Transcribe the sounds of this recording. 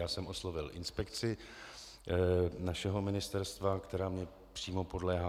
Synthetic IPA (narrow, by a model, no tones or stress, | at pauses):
aːsɛmʔo̞slo̞vɪlʔɪnspɛkt͡sɪ | naʃɛɦo̞mɪnɪst̪ɛɾst̪vakt̪ɛɾaːmɲɛ | pr̥iːmopo̞dlɛːɦa